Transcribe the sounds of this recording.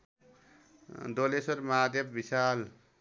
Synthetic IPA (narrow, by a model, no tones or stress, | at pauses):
d̪olesoɾmaːd̪jʌbbisaːl